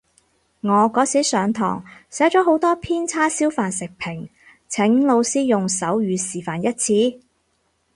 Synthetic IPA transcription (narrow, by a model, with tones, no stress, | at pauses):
ŋɔː˨˧kɔː˨˥sʰiː˨˥sœː˨˧ŋt̪ʰɔ̰ː˨˩ŋsɛː˨˥t͡ʃɔː˨˥ɦo˨˥wt̪ɔː˥pʰiː˥nt͡sʰaː˥siː˥wfaː˨nsɪ˨k̚pʰɪ˨˩ŋ | t͡sʰɪ˨˥ŋlo˨˧wsiː˥jʊ˨ŋsɐ˨˥wjyː˨˧siː˨˩faː˨njɐ˥t̚t͡sʰiː˨˥